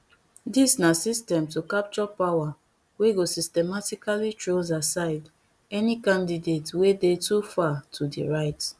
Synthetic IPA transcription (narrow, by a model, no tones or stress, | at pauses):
disnasistɛ̃mtukap̚t͡ʃɔpawa | weɡosistɛmatikalitɹozasaɪd | ɛnikãndidetwedetufatʰudḭɹaɪt